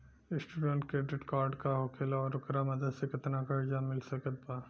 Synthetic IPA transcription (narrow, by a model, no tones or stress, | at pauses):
ɪsʈuːɖə̃ɳʈ̚kɾeːɖɪʈkaːɾɖkaɦokʰeːlɔːɾʊkɾamɐd̪əd̪sekɪt̪nakɐɾd͡ʒamɪlsɐkət̪̚baː